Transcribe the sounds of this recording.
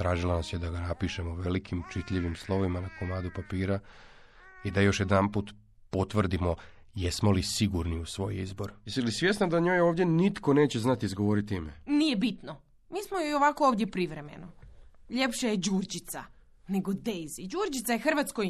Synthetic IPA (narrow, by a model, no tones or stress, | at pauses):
t̪ɾaːʒilˠanasjed̪aɡanapiʃemoʋelikʰimt͡ʃit̪ʎeʋimslˠo̞ʋimanakomaːd̪upapiːɾa | id̪ajo̞ʃjed̪ampuːt̪ | po̞t̪ʋr̩d̪imo̞ | jesmo̞lisiɡuɾniusʋo̞̰ːjizbo̞ɾjest̪ilisʋje̞snad̪aɲo̞ːjo̞ːʋd̪je̞nit̪ko̞ne̞ːt͡ɕeznat̪iizɡoʋo̞ɾit̪imenijebit̪no | miːsmojojoʋakooːʋd̪jepɾiʋɾe̞mḛnoʎe̞pʃejed͡ʑuːrd͡ʑit̪sa | ne̞ɡod̪ejzid͡ʑuːɾd͡ʒit̪sajexr̩ʋat̪skoj